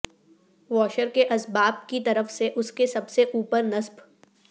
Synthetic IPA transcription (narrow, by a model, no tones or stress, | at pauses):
ʋɔːʃəɾkeʔɐsbaːb̚kit̪ɐɾəfseʔʊskesɐbseʔuːpəɾnɐsb